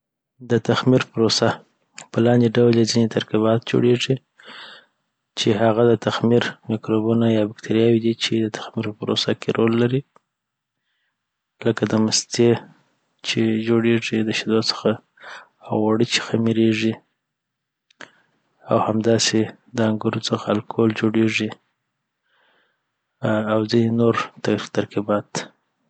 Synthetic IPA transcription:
d̪ət̪axmiɾpəɾosa | pəlɑnd̪eɖawljazinet̪aɾkiβɑt̪̚d͡ʒo̰ɽeʐi | t͡ʃeɦaɣad̪ət̪axmiɾmikɾobunajɑbɪkt̪ʰaɾijɑwid̪it͡ʃed̪ət̪ʰḁxmiɾpəpəɾo̰sakeɾolːaɾi | ləkad̪əməst̪e | t͡ʃed͡ʒoɽeʐid̪əʃɪd̪osə̥xaː | wwaɽit͡ʃɪ̥xamiɾeʐi | a̰whamd̪ɑse | d̪əaŋɡʊɾut͡səxaalkʰold͡ʒoɽeʐi | awzinenoɾt̪at̪aɾkibɑt̪

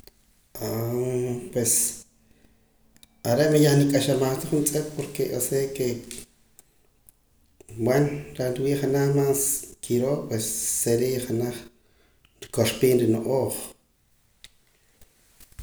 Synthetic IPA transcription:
a | pwes | aɾeʔmajaχnikʼaʃamaχt̪aχunt͡sʼekʼpoɾkeʔoseke | bwanɾaɾiwiːχanaχmaːskʰiɾoːʔpwesːeɾiʔχanaχ | ɾikoʃpiːnɾinoʔoːχ

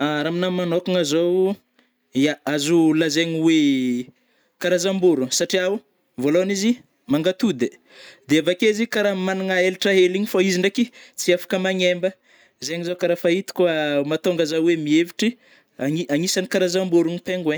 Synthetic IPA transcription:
aɾaminamanokuŋazow | aazulazeɲiwe | kaɾazambuɾusaʈ͡ʂiau | voloanizi | maŋɡat̪ud̪e | d̪eavakezikaɾamanaŋaeliʈ͡ʂaɦeliɲifaiziɳɖ͡ʐakit͡siafḁkəmaɲembə | zeɲizowkaɾafait̪i̥kwamat̪oŋɡazawemieviʈ͡ʂi | aiaŋisanikaɾazambuɾuɲipeŋɡwe

